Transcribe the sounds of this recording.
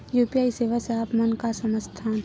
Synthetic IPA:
juːpijaːiseːʋaseaːpmənkasəməst̪ʰaːn

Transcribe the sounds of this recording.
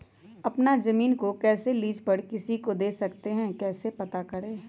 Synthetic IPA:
ɐpnazɐmiːnkokɛːseliːd͡ʒpɐɽkɪsikod̪eːsɐkt̪eɦɛ̃kɛːsepɐt̪akɐɽeː

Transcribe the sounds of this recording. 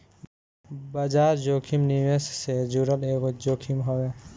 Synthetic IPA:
bɐd͡ʒaːɾd͡ʒokʰimniʋessed͡ʒuɾəleɡod͡ʒokʰimɦobe

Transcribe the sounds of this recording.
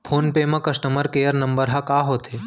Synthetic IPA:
pʰoːnpeːmɐ̃kɐsʈəməɾkejəɾnɐmbəɾɦakaːɦoːt̪ʰe

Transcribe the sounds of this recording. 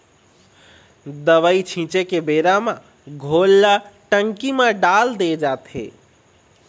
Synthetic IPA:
d̪əʋəit͡ʃʰĩt͡ʃekebeɾamã | ɡʱolːaʈəŋkimẽɖald̪ed͡ʒat̪ɦḛ

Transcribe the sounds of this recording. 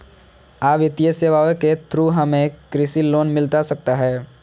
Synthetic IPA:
aːbɪt̪ijəseːʋaːʋeket̪ɾuɦɐmẽkɾɪsiloːnmɪlt̪asɐk̚t̪aɦɛː

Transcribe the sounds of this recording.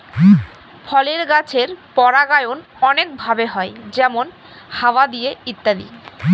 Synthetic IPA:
fʰɔleɾɡat͡ɕʰeɾpɔɾaɡajon | ɔnek̚bʱabeɦɔed͡ʑɛmon | hawad̪ijeit̪ːad̪ḭ

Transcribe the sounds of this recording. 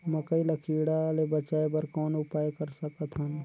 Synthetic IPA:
mɐkəilɐkʰiːɽalebɐt͡ʃaːebɐɾkɔːnʊpaːjkɐɾsɐkət̪ʰɐn

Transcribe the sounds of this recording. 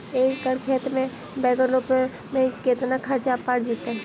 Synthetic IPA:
eːkɡəɽkʰeːt̪mẽ | bɛːɡəɾɾoːp | mẽket̪nakʰɐɾt͡ʃapːaːɽd͡ʒiːt̪eɛ

